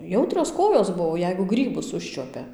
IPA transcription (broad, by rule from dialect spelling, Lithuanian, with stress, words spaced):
ˈjɛʊtʲrʲoːs ˈkoːjoːs ˈbʊʋoː ˈjɛɪɡʊ ˈɡrʲiːbʊs ˈʊʃʲt͡ʃʲuɔpʲɛ